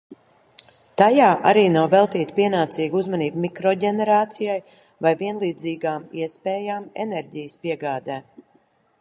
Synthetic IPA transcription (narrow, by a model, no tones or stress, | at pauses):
t̪ajaːʔaɾiːnawvɛlˠt̪iːt̪piɛnaːt̪siːɡuzmaniːbmikɾɔɟɛnɛɾaːt̪sijaj | vajviɛnlˠiːd̪ziːɡaːmḭɛspɛːjaːmɛ̰nɛɾɟijspiɛɡaːd̪ɛː